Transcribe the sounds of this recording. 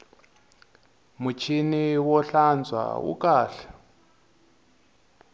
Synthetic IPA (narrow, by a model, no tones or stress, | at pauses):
mut͡ʃʰiniwɔɬand͡zʱwa̰ṵkaːɬɛ̥